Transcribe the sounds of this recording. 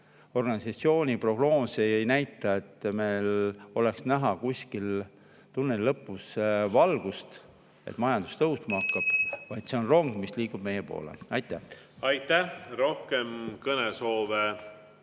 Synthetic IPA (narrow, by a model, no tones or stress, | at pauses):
o̞rɡ̥ɑnisɑt̪sio̞ːnʲipro̞ɡ̥no̞ːseejnæjt̪ːˑɑe̞t̪ːme̞jlo̞le̞ksnæɦɑkusʲkil | t̪unːelːɤpːˑusvɑlɡ̥ust̪ | e̞̰t̪ːˑmɑjɑnd̪̥u̥st̪ɤɦust̪mɑkːɑb̥vɑjd̪seo̞nro̞ŋɡ̥misliːkub̥me̞jepo̞̰ːlḛɑjt̪ːˑæɑjt̪ːˑæhɾo̞hkemkɤneso̞ːve